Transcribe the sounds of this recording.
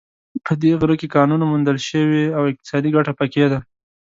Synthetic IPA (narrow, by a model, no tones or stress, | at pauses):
pəd̪eɣɾəkekɑnunamund̪əlʃəweawɪq̚t̪ɪ̥sɑd̪iɡaʈapaked̪a